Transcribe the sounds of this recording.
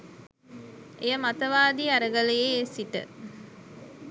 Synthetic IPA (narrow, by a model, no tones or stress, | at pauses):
ʔejəmat̪əʋaːd̪iːɐɾəɡəlejeːsiʈə̰